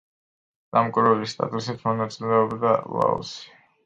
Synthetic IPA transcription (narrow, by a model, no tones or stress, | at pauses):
d̪̥amkʼiɾvɛlist̪ʼa̰t̪ʼusit̪ʰmɔnat̪sʼilɛɔbd̪ala̰ɔ̰si̥